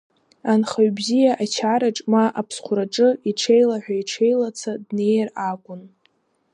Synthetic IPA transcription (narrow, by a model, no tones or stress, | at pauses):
anχaɥbzijaʔat͡ʃʰaɾaʈ͡ʂʼmaʔapʰsχʷʊɾaʈ͡ʂʼɨiʈ͡ʂʰe̞jlaħᶣʷaiʈ͡ʂʰe̞jlat͡sʰadne̞jarakʷʼʊn